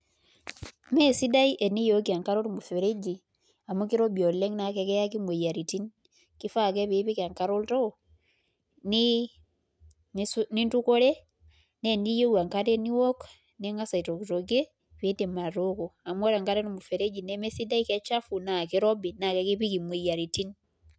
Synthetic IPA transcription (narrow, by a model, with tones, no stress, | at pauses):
me˦si˦da˦i˦ʔɛ˨ni˦jo˨kia˨ŋka˦ɾo˦ɾmu˨feɾe˦d͡ʒi | a˨mu˦ki˦ɾo˦bi˨o˨lɛ˦ŋna˨kɛ˦kɛ˦ja˦ki˦mwe˨ja˨ɾi˨ti˦n | ki˦fa˦kɛ˦βeβi˦ka˨ŋkaɾo˦lto˦ | ni | nsni˦ntu˦ko˦ɾe˦ | ne˦ni˦jo˦wa˨ŋka˦te˦ni˦wɔ˦k | ne˦ŋa˦sa˨i˨to˨ki˨to˨ke˦ | βe˦nde˨ma˨ɾoko˨a˨mwɔ˦ɾa˨ŋka˦ɾe˦numu˨fe˨ɾe˦d͡ʒi˨nɛme˦si˦da˦i˦kɛ˦t͡ʃa˦fu˨na˨ki˦ɾɔ˦bi˨na˨kɛ˦kiβi˦ki˨mwe˨ja˨ɾiti˦n